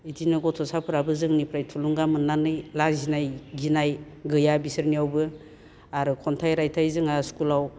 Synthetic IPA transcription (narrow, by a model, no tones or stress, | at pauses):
idinɯɡɔtʰɔsapʰɯɾabɯzɯŋnipʰɾajtʰuluŋɡamɯnːanɯjlazinajɡinaj | ɡɯjabisɯɾniawbɯ | aɾɯkʰɔntʰajɾajtʰajzɯŋaskulaw